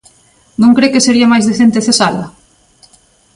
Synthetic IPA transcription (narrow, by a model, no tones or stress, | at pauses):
nõŋkɾekeseɾiɐmajzðeθent̪eθesalɐ